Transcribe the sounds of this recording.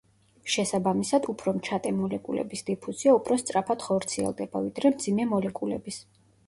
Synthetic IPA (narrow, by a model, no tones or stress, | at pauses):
ʃɛsabamisad̪upʰɾɔmt͡ʃʰat̪ʼɛmɔlɛkʼṵlɛ̰bisd̪ipʰuziaupʰɾɔst̪sʼɾapʰad̪̥χɔɾt̪sʰiɛ̰lˠd̪ɛba̰vid̪ɾɛmd̪zimɛmɔlɛkʼulɛ̰bis